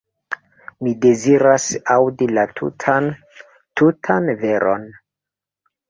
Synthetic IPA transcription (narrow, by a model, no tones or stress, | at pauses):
mide̞ziɾasawdilatu | tutʰanve̞ɾʔo̞̰n